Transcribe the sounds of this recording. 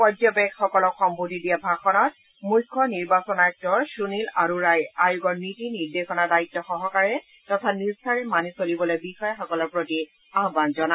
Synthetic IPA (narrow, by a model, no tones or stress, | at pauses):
pɔdɔbɛkxɔkɔlɔkxɔmbudʱidijabʱaxɔnɔt̚ | mujkʰːɔniɹbasɔnaɛk̚tɔɹsunilaɹuɹajajuɡɔɹmitiniɹdesɔnadaitːɔxɔɦɔkaɹɛ | tɔtʰaniɹstʰaɹɛmanisolibɔlojbixɔjaxɔkɔlɔɹpɹoti | aɦbanzɔna